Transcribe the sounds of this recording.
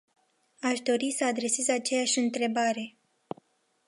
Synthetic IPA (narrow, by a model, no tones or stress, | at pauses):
aʃd̪o̞ɾisəad̪ɾe̞se̞zat͡ʃe̞jaʃʲɨnt̪ɾe̞baɾe̞